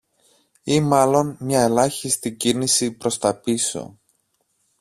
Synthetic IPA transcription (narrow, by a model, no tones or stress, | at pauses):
imɐlo̞nmɲɐe̞lɐçist̪icinisipɾo̞st̪ɐpiso̞̰